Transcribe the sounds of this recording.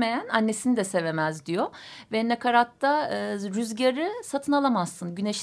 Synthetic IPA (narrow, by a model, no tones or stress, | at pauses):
me̞jænanːe̞sinid̪ɛse̞ve̞mæzd̪ijo | vɛnakʰaɾat̪ːaːɾyzɟaɾɯsat̪ʰɯnalˠamasːɯnɟyneʃ